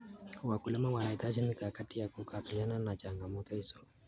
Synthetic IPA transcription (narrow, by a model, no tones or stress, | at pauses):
wakulɛmawanaitad͡ʒimikakatijakukapilananat͡ʃaŋɡamɔtɔhisɔ